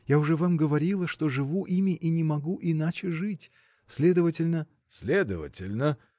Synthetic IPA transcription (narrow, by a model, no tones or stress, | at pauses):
jaʊʐɛvamɡəvɐɾʲilˠəʂt̪o̞ʐɨvuʔimʲɪʔinʲɪmɐɡuʔɪnat͡ɕɪʐɨtʲ | sʲlʲe̞d̪əvətʲɪlʲnə | sʲlʲed̪ə̰və̰tʲɪlʲnə